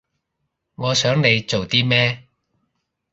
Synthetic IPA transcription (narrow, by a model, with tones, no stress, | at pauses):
ŋɔː˨˧sœː˨˥ŋne˨˧jt͡so˨wt̪iː˥mɛː˥